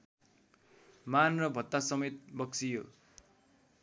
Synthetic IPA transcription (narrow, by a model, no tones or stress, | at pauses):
manrʌbʱʌt̪ːasʌmet̪̚bʌkt͡sijo